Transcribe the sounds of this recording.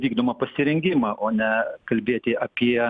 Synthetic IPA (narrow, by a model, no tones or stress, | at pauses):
ʋʲiːɡd̪oːmɐpɐsʲɪɾʲɛŋʲɡʲɪmɑʔoːnʲɛkɐlʲbʲeːt̪ʲɪʔɐpʲiɛ